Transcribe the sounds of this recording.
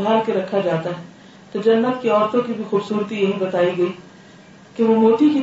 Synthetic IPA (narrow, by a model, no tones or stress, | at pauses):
ɦaːɾkeɾɐkʰːad͡ʒaːt̪aɦɛ | t̪od͡ʒɐnːət̪keɔːɾt̪õkibʱixuːbsuːɾt̪ijɐɦibɐt̪aːiɡɐi | keʋomoːt̪iki